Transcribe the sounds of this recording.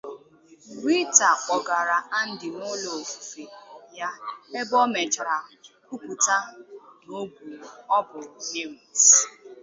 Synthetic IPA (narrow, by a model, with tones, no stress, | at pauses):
wʷi˦ta˨kʷɔ˨ɡa˨ɾa˨a˦n̩˦dɪ˨no˦lo˨fu̥˨fe˨ja˦e˦bɔ˦me˨d͡ʒɾa˨ku˦ku˨ta˦no˦ɡʷu˨ɔ˦bʊ˨ne˦mi˨s